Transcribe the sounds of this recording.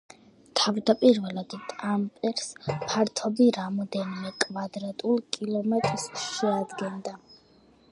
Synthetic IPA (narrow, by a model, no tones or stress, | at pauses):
t̪ʰavd̪apʼiɾvɛlˠad̪it̪ʼampʼɛɾspʰaɾt̪ʰɔbiɾamɔd̪ɛnimɛkʼvad̪ɾat̪ʼulˠkʼilˠɔmɛt̪ʼɾsʃɛad̪ɡɛnd̪a